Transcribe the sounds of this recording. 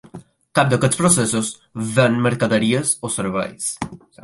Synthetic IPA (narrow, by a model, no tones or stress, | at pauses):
kap̚d̪əket̪spɾosɛsos | βɛnmeɾkaðəɾiesoseɾβa̰js